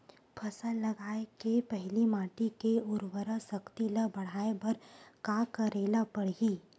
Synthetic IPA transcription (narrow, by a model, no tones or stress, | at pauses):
pʰɐsəlɐɡaːekepɛɦlimaːʈikeʊɾwəɾasɐkt̪iləbɐɽ̤aːebɐɾkaːkəɾeːlapɐɽ̤ɡiː